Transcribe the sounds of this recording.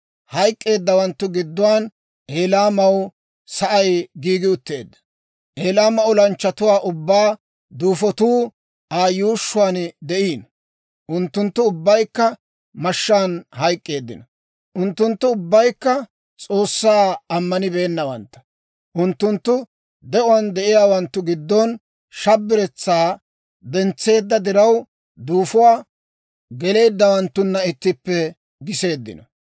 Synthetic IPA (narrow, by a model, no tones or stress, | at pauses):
hɐjkʼːe̞ːd̪ːɐwɐnt̪ːʊɡɪd̪ːʊwaːn | ʔe̞ːlaːmɐw | sɐʔɐjɡiːɡɪʊt̪ːe̞ːd̪ːɐ̥ | ʔeːlaːmɐʊlɐnt͡ʃːɐt̪ʊwaːʔʊbːaː | d̪uːfɔt̪uː | aːjuːʃːʊwaːnd̪ɛʔiːn | ʔʊnt̪ːʊnt̪ːʊːbːɐjkːɐ | mɐʃːaːnhɐjkʼːe̞ːd̪ːɪ̰nɐ | ʔʊnt̪ːʊnt̪ːʊːʊbːɐjkːɐ | t͡sʼo̞ːsːaːɐmːɐnɪbe̞ːnːɐwɐnt̪ːɐ̥ | ʔʊnt̪ːʊnt̪ːʊ | d̪ɛʔʊwɐnd̪ɛʔɪjaːwɐnt̪ːʊɡɪd̪ːɔn | ʃɐbːɪɾɛt͡sːaː | d̪ɛnt͡sːe̞ːd̪ːɐd̪ɪɾɐw | d̪uːfʊwaː | ɡɛle̞ːd̪ːɐwɐnt̪ːʊnːɐɪt̪ːɪpːɛ | ɡɪse̞ːd̪ːɪ̰nɐ